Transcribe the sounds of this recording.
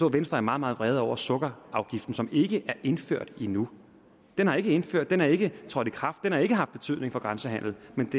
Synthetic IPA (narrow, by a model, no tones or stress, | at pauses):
ɔ̰ʋensd̥ʁɐæɐmɑ̈ːðˠmɑ̈ð̩ˠʋʁɛːð̞̩ˠɒ̰ʊ̰ɐsɔ̽ɡ̥ɐɑ̈ʊɡ̥ifd̥n̩sɒ̽me̝ɡ̥əʔæɐʔe̝nføɐ̰d̥inu | d̥enhɑ̈e̝ɡ̥əe̝nføɐ̰d̥enhɑɐe̝ɡ̥ət͡sʰʁɒ̽d̥ikʰʁɑ̈fd̥ːenhɑ̈e̝ɡ̥əɦɑ̈fd̥b̥et͡sʰyðˠne̝ŋfɒ̽ɡ̥ʁɑ̈nsəɦæn̰l̩ˠmend̥e